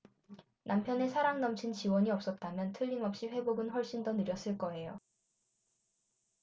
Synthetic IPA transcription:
nʔampʰjʌne̞sʰaɾaŋnʌmt͡ɕʰint͡ɕiwʌɲiʌp̚s͈ʌt̚t͈amjʌntʰɯʎːimʌp̚ɕ͈iɸwe̞boɡɯnɸwʌɭɕ͈indonɯɾjʌs͈ɯɭk͈ʌe̞jo̰

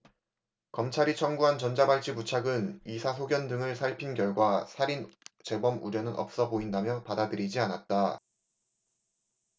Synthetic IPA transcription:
kʌmt͡ɕʰaɾit͡ɕʰʌŋɡuɦant͡ɕʌnd͡ʑabaɭt͡ɕ͈ʰibut͡ɕʰaɡɯnisʰas̬ʰoɡjʌndɯŋɯɭsʰaɭpʰinɡjʌɭɡwasʰaɾint͡ɕe̞bʌmuɾjʌnɯnʌ̰p̚s͈ʌboindamjʌpadadɯɾid͡ʑianat̚t͈a

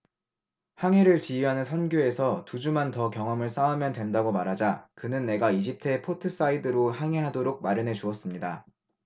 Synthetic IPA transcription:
haŋe̞ɾɯɭt͡ɕiiɦanɯnsʰʌnɡjoe̞sʰʌtud͡ʑumantʌkjʌŋɦʌmɯɭs͈aumjʌndwe̞ndaɡomaɾɦad͡ʑakɯnɯnːe̞ɡaid͡ʑip̚tʰe̞pʰotʰɯs͈aidɯɾohaŋe̞ɦadoɾok̚maɾjʌnɦe̞d͡ʑuʌs͈ɯmɲida̰

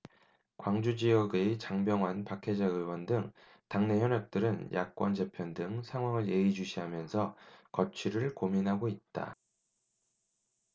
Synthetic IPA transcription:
kwaŋd͡ʑud͡ʑijʌɡe̞t͡ɕaŋbjʌŋwanpakʰe̞d͡ʑaɯwʌndɯŋ | taŋne̞ɦjʌnʌk̚t͈ɯɾɯnjʔa̰k̚k͈wʌnd͡ʑe̞pʰjʌndɯŋsʰaŋɦwaŋɯɭje̞ɡid͡ʑuɕʰiɦamjʌnsʰʌkʌt͡ɕʰiɾɯɭkominɦaɡoit̚t͈a̰

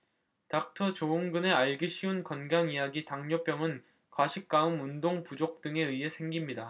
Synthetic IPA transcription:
tak̚tʰʌt͡ɕoɯŋɡɯne̞aɭɡɯɕʰiunkʌnɡaŋijaɡitaŋɲop͈jʌŋɯn | kwaɕʰik̚k͈aɯmundoŋpud͡ʑok̚t͈ɯŋe̞ɯiɦe̞sʰe̞ŋɡimɲida

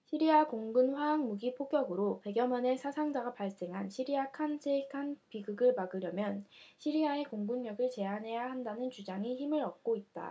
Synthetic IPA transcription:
ɕʰiɾiakoŋɡɯnɸwaaŋmuɡipʰoɡjʌɡɯɾope̞ɡjʌmʌne̞sʰasʰaŋd͡ʑaɡapaɭs͈e̞ŋɦanɕʰiɾiakʰansʰekʰanpiɡɯɡɯɭmaɡɯɾjʌmjʌnɕʰiɾiae̞koŋɡɯnmjʌɡɯɭt͡ɕe̞anɦe̞jaɦandanɯnt͡ɕud͡ʑaŋiçimɯɾʌk̚k͈oit̚t͈a̰

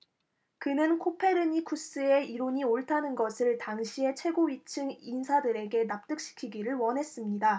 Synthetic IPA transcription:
kɯnɯnkʰopʰe̞ɾɯɲikʰus͈ɯe̞iɾoɲioɭtʰanɯnɡʌsʰɯɭtaŋɕʰie̞t͡ɕʰwe̞ɡoɥit͡ɕʰɯŋinsʰadɯɾe̞ɡe̞nap̚t͈ɯk̚ɕ͈i̥kʰiɡiɾɯɭwʌnɦe̞s͈ɯmɲida

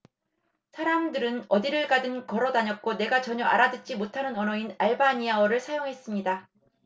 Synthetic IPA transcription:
sʰaɾamdɯɾɯnʌdiɾɯɭɡadɯnkʌɾʌdaɲʌt̚k͈one̞ɡat͡ɕʌɲʌʔa̰ɾadɯt̚t͡ɕ͈imotʰanɯnʌnʌinaɭbaɲiaʌɾɯɭsʰajoŋɦe̞s͈ɯmɲida

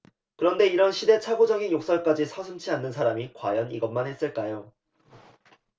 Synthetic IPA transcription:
kɯɾʌnde̞iɾʌnɕʰide̞t͡ɕʰaɡod͡ʑʌɡinjok̚s͈ʌɭk͈ad͡ʑisʰʌsʰɯmt͡ɕʰianːɯns̬ʰaɾamikwa̰jʌniɡʌnmanhe̞s͈ɯɭk͈ajo

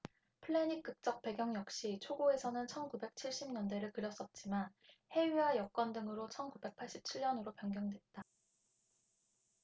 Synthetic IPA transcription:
pʰɯɭːeɲik͈ɯk̚t͡ɕ͈ʌk̚p͈e̞ɡjʌŋjʌk̚ɕ͈it͡ɕʰoɡoe̞sʰʌnɯnt͡ɕʰʌnkube̞k̚t͡ɕʰiɭɕ͈imɲʌndwe̞ɾɯɭkɯɾjʌs͈ʌt̚t͡ɕ͈imanhe̞ɥiɦajʌk̚k͈wʌndɯŋɯɾot͡ɕʰʌnkube̞k̚pʰaɭɕ͈i̥p̚t͡ɕʰiɭɲʌnɯɾopjʌŋɡjʌŋdwe̞t̚t͈a

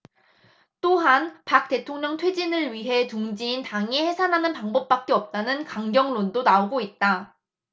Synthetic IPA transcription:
t͈oɦanpak̚t͈e̞tʰoŋɲʌŋtʰwe̞d͡ʑinɯɭɥiɦe̞tuŋd͡ʑiːntaŋihe̞sʰanɦanɯnpaŋbʌp͈̚ak͈̚e̞ʌp̚t͈anɯnkaŋɡjʌŋlondonaoɡoit̚t͈a

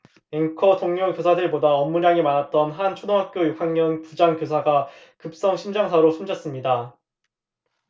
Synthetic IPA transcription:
eŋkʰʌtoŋɲjokjosʰadɯɭbodaʌmːuɾjaŋimanat̚t͈ʌnɦant͡ɕʰodoŋɦak̚k͈jojuk̚saŋɲʌnpud͡ʑaŋkjosʰaɡa | kɯp̚s͈ʌŋɕʰimd͡ʑaŋsʰaɾosʰomd͡ʑʌs͈ɯmɲida

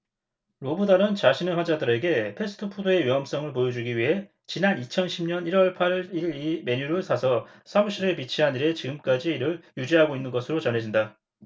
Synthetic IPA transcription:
ɾobɯdaɾɯnt͡ɕaɕʰinɯɸwand͡ʑadɯɾe̞ɡe̞pʰe̞sʰɯ̥tʰɯpʰudoe̞ɥiʌms͈ʌŋɯɭpojʌd͡ʑuɡiɥiɦe̞ | t͡ɕinanit͡ɕʰʌnɕʰimɲʌniɾwʌɭpʰaɾiɾime̞ɲuɾɯɭsʰasʰʌ | sʰamuɕʰiɾe̞pit͡ɕʰiɦaniɾe̞t͡ɕiɡɯmk͈ad͡ʑiːɾɯɭjud͡ʑiɦaɡoinːɯnɡʌsʰɯɾot͡ɕʌnɦe̞d͡ʑinda

